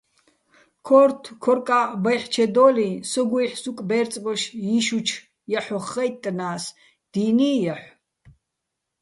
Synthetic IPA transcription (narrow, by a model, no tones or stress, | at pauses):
kʰɔːɾt̪ʰkʰɔɾkʼabajħt͡ʃʰɛd̪ɔːlisɔɡujħsukʼbɛːɾt͡sʼbɔʃjiʃut͡ʃʰ | jaħɔχːɛjt̪ʼːnaːs | d̪̥iːniːjaħʷ